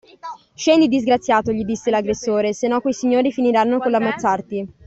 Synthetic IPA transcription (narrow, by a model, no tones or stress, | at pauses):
ʃɛnd̪id̪izɡɾat̪sːjaːt̪oʎid̪isːelaɡɾesːoːɾesenːɔkːwojsiɲːoːɾifiniɾanːokolamːot̪sːart̪i